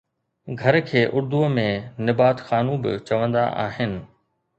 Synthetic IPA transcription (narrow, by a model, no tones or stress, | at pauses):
ɡʱɐɾkʰeːʔʊɾd̪uəmẽnɪbaːt̪xaːnũbɪ̰t͡ɕɐʋə̃nd̪a̰ʔa̰ːɦɪnɪ̆